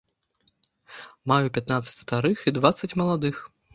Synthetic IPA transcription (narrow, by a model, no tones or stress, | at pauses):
majupʲat̪nat̪sːɐ̥t͡sʲst̪aɾɨxid̪vat̪sɐt͡sʲmɐlˠad̪ɨx